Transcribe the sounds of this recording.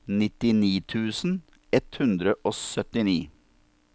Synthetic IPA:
nɪt̪ɪniːt̪ʰʉːsn̩ | ɛt̪hʉnd̪ɾəʔoːsœt̪ɪniː

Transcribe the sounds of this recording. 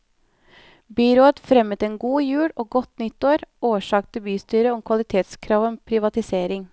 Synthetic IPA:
bʏɾoːət̪fɾɛmət̪eːnɡuːjʉːɽoːɡɔt̪nʏt̪oːɾoːʃɑːk̚t̪əbyːst̪yːɾəɔmkʰʋɑlɪt̪ʰeːt̪skʰɾɑːʋɔmpʰɾɪʋɑt̪ɪseːɾɪŋ

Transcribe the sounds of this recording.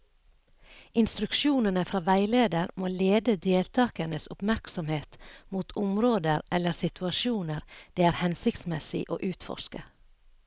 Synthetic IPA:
ɪnst̪ɾʉkʃuːnənəfɾɑːʋæɪleːd̪əɾmoːleːd̪əd̪eːlt̪ʰɑːkənəsʊ̰pmæɾksɔmheːt̪muːt̪ʰʊmɾoːd̪əɾʔɛlːəɾsɪt̪ʰʉɑʃuːnəɾd̪̥eːæːɾhɛnsɪkt̪smɛsɪ̰ʔo̰ːʔʉːt̪fɔ̰ʃkə

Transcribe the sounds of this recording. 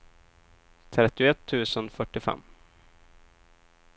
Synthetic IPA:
t̪ʰɾɛt̪ːɪʊɛt̪ʰːʉ̟ːsənfœʈːɪfɛ̰mː

